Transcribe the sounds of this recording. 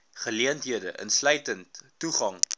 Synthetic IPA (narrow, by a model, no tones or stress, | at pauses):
χəliəntɦiədəʔə̰nslœɥtəntː | uχɐŋ